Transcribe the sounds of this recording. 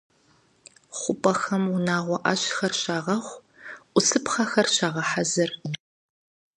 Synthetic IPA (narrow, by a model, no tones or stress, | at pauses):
χʷʊpʼɐxɐmʊnaːʁʷɔʔɐ̰ɕxɐrɕaːʁɐχʷ | ʔʷʊsɨpχɐxɐrɕaːʁɐħazɨr